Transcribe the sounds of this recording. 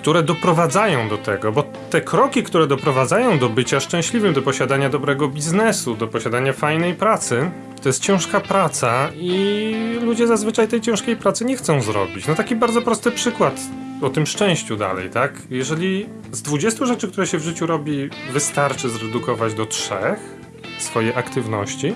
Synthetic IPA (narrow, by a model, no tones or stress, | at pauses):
kt̪uɾɛd̪ɔpɾɔvad̪zajɔ̃w̃d̪ɔt̪ɛ̰ɡɔbɔ | t̪ɛkɾɔkʲikt̪uɾɛd̪ɔpɾɔvad̪zajɔ̃w̃d̪ɔbɘt͡ɕaʂt͡ʂɛ̃w̃ɕlʲivɘmd̪ɔpɔɕad̪aɲad̪ɔbɾɛɡɔbʲiznɛsud̪ɔpɔɕad̪aɲafajnɛjpɾat̪sɘ | t̪ɔjɛst̪̚t͡ɕɛ̃w̃ʂkapɾat̪sailud͡ʑɛzazvɘt͡ʂajt̪ɛjt͡ɕɛ̃w̃ʂkʲejpɾat̪sɘɲɛxt̪sɔ̃w̃zɾɔ̰bʲit͡ɕnɔt̪akʲibaɾd̪zɔpɾɔst̪ɘpʂɘkwat̪ | ɔt̪ɘmʂt͡ʂɛ̃w̃ɕt͡ɕud̪a̰lɛ̰jt̪ak | jɛʐɛlʲi | zd̪vud͡ʑɛst̪uʐɛt͡ʂɘkt̪uɾɛɕɛvʐɘt͡ɕuɾɔbʲivɘst̪aɾt͡ʂɘzɾɛd̪ukɔvad͡ʑd̪ɔtʂɛ̰x | sfɔjɛʔakt̪ɘvnɔ̰ɕt͡ɕi